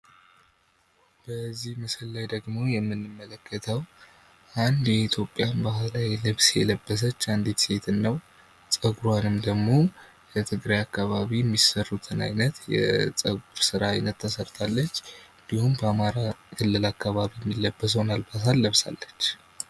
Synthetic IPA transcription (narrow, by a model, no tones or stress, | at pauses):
b̥əzːihmɨsəlːajd̪əɡmo̞jɛmːɨnːɨmːələkʰːət̪ʰəw | ʔand̪jɛit̪ʰjo̞pʼːjanbaɦlajlɨβsjɛləbːəs̬ət͡ʃːand̪it̪se̞t̪ʰɨnːəw | t͡sʼəɡuɾwanɨmd̪əɡmo̞ | jɛt̪ʰɨɡɾajakːaβaβiɛmːisərːut̪ʰɨna̰jnət̪jɛ̰sʼəɡuɾsɨɾaːjnət̪ʰːəsəɾt̪ʰalːət͡ʃːɨnd̪ihumbəamaɾakʰɨlːɨlakʰːaβaβijɛmːilːəbːəs̬wnalbasalːəβsa̰lːət͡ʃː